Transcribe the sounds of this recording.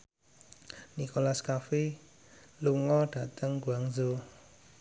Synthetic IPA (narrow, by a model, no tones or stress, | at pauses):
nikolaskafi | luŋɔɖ̥a̤t̪əŋɡuaŋzo